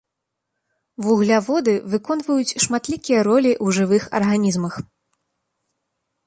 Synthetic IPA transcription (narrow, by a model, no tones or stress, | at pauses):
vuɣlʲavɔd̪ɨvɨkɔn̪vɐjut͡sʲʂmat̪lʲikʲijɐɾɔlʲiʔwʐɨvɨxɐ̰rɣanʲizmɐx